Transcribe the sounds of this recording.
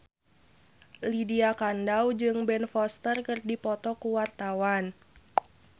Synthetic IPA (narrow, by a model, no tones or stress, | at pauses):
lidiakandawd͡ʒɨŋbɛnfɔst̪ərkɨrdipɔt̪ɔkuwart̪awan